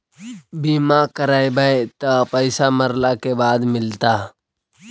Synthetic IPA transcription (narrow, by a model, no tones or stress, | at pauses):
biːmaːkəɾaːjbaet̪apəɪsaməɾlakebaːd̪mɪlt̪aː